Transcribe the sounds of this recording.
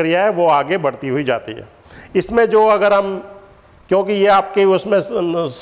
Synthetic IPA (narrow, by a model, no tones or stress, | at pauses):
ɾijaɦɛʋoaːɡebɐɽt̪iɦʊid͡ʒa̰ːt̪ḭɦɛ̰ː | ɪsmẽd͡ʒoːɐɡəɾɦɐm | kjõːk̬ijeaːp̚keʊsmẽs